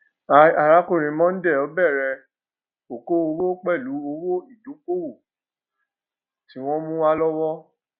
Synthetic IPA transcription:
a˨a˨ɾa˨˦ko˦˨ɾ̃ĩ˨˦mɔ̃˦n̩˦dɛ˦˨ɔ˨˦bɛ˦˨ɾɛ˧ | o˨ko˦o˧wo˦k͡pɛ˦˨lu˨˦o˧wo˦i˦˨du˨˦k͡po˦wo˦˨ | ti˨˦w̃ɔ̃˦mũ˦wa˦lɔ˦wɔ˦

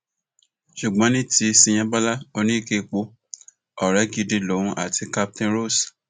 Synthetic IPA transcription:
ʃu˨ɡ͡bɔ̃˨˦nĩ˦ti˧˦sĩ˧j̃ã˧˦ba˦la˦o˧nĩ˦i˦˨ke˧k͡po˧ | ɔ˨ɾɛ˨˦ɡi˨˧di˧lo˨ũ˦ʔa̰˦˨tʰi˨˧ka˧p̚tĩ˧ɾo˦˨s

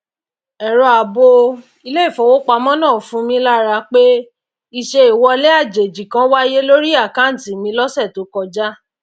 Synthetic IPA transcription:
ɛ˨ɾɔ˨˧a˨bo˧ | i˧le˦i˦˨fɔ˨wo˦k͡pa˧mɔ̃˦nã˦˨fũ˧˦mĩ˧˦la˦˨ɾa˧k͡pe˦ | i˦˨ʃe˧i˨wɔ˧le˦a˦˨d͡ʒe˨d͡ʒi˨kã˨˦wa˦je˦lo˦ɾi˦a˦˨kã˨˦n̩˨tĩ˨mĩ˧˦lɔ˦sɛ˦˨to˨˦kɔ˧d͡ʒa˦

